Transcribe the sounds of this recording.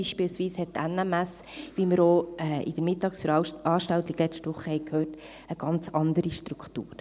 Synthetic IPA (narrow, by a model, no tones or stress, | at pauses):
iʃpilsʋiːshɛtːænæmæs | ʋiməɾoɛʔɪ̰d̥̪əɾmɪtɑːksfəɾɑːʃtɑʊt̪ɪɡ̥lɛt͡ʃtʋʊχəhɛɪkʰhøːrt | əɡ̥ɑnt͡sɑnd̪əɾiʃtɾukχtṵːɾ